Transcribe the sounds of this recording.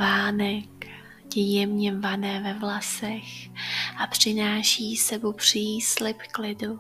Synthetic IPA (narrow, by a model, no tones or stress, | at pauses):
vaːnɛk | ɟɛjɛmɲɛmvanɛːvɛvlasɛxʔapr̝̥ɪnaːʃiːsɛbopr̥islɪpklɪdu